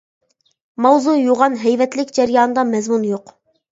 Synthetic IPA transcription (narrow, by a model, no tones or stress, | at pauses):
mɑwzujoʁɑnɦɛjvɛt̪lɪkʲd͡ʒɛɾjɑːnɨd̪ɑmɛzmunjoq